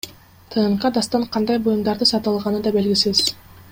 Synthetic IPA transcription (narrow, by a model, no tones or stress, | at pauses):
t̪ʰɯːɴqɑd̪ɑst̪ɑɴqʰɑnd̪ɑjbujumd̪ɑɾd̪ɯsɑt̪ɯɑlˠʁɑnɯd̪ɑbe̞lɡisiz̥